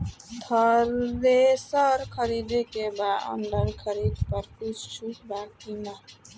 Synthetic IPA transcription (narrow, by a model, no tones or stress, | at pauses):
t̪ʰəɾːesəɾkʰəɾid̪ekebaə̰ɳɖəɾkʰəɾid̪pəɾkut͡ʃʰt͡ʃʰukbakima